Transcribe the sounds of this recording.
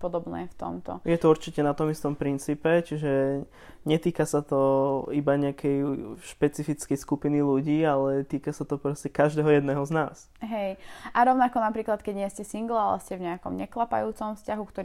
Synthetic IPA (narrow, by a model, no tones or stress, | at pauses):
pɔd̪ɔbnɛ̰ːft̪ɔ̰mt̪ɔ̰jɛt̪ɔuɾt͡ʃicɛnat̪ɔmist̪ɔmpɾint͡siːpɛt͡ʃiʒɛ | ɲɛt̪iːkasat̪ɔibaɲɛakʰɛjʃpɛt͡sifit͡skɛjskupiniluɟiːalɛt̪iːkasat̪ɔpɾɔscɛkaʒd̪ɛɦɔjɛd̪nɛɦɔznaːs | ɦɛjʔaɾɔʊnakɔnapɾiːklat̪kɛɟɲɪɛscɛsiŋɡlalɛ̰scɛvɲɛakɔmɲɛklapa̰juːt͡sɔmfscaɦukt̪ɔ